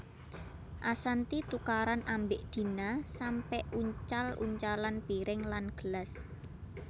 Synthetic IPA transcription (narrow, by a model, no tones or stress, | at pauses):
ʔasant̪it̪ukaɾanʔambeʔd̪̥i̤nasampɛʔuɲt͡ʃalʔṵɲt͡ʃalanpiɾɪŋlanɡ̥əlas